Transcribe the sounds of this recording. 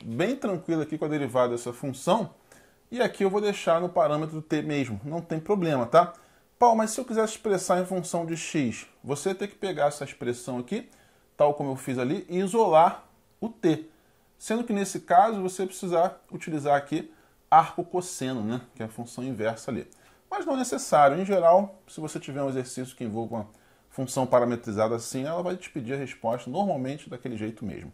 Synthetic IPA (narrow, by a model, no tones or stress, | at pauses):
bẽj̃t̪ɾɐ̃ŋkwilˠɐakikɐd̪eɾivad̪ɐd̪ɛsɐfũsɐ̃w̃ | ɪakiewvod̪ejʃanʊpaɾɐ̃met̪̬ɾʊʊt̪emeʒmʊnɐ̃w̃t̪ẽj̃pɾoblẽmɐt̪a | pawlmɐssːɪewkizɛɾɪʃpɾesaɾẽj̃fũsɐ̃w̃d͡ʒɪʃiʃ | voset̪ẽkɪ̥peɡaɾɛsɐiʃpɾesɐ̃w̃aki | t̪awkõmʊewfizaliʔɪːzola | ʊt̪e | sẽnd̪ʊkɪnesɪkazʊvosepɾɪsizaut͡ʃilizaɾaki | ahkʊkosẽnʊnɛkɪɛɐfũsɐ̃w̃ĩvɛɾsɐalḭ | mɐʒnɐ̃w̃ɛnesesaɾjʊẽj̃ʒeɾawsɪvoset͡ʃivɛɾũezeɾsis̬jʊ̥kɪẽvɔwvũmɐ | fũsɐ̃w̃paɾamet̪ɾizad̪ɐasĩɛlɐvajd͡ʒɪ̥pid͡ʒiɐɦeʃpɔʃt̪ɐnoɾmawmẽnt͡ʃɪd̪akelɪʒejt̪ʊmḛʒmʊ